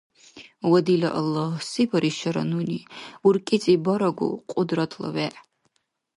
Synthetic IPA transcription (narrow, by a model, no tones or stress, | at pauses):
wɐd̪ilɐ̰ʔɐlːahsipʰɐɾʔiʃɐɾɐ̰nuniurkʼit͡sʼibɐɾɐɡṵqʼʊd̪ɾɐt̪ʰlɐ̰wɛʔ